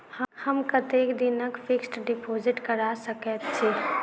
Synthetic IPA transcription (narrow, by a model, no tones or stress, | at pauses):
həhəmkɐt̪eːkd̪ɪnəkfɪksʈɖɪpoːzɪʈkəɾaːsəkət̪t͡ʃʰe